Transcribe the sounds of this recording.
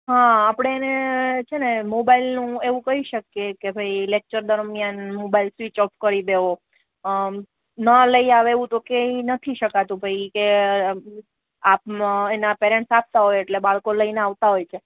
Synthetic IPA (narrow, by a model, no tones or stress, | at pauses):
ɦãːpɽ̃eːnet͡ʃʰenemobailnũeʋũkəɦiʃəkːekebʱəilek̚t͡ʃəɾd̪əɾmjanmobailsʋit͡ʃɔpkəɾid̪eʋo | nələiaʋeʋũt̪okeinət̪ʰiʃəkat̪ũbʱəike | apenapeɾẽɳʈsap̚t̪aɦojeʈlebaɭkoləineaʋt̪aɦojt͡ʃʰe